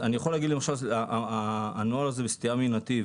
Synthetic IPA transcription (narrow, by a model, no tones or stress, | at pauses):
anijaχolːaɡid̪lemaʃalaʔ | noalazebest̪iaminat̪i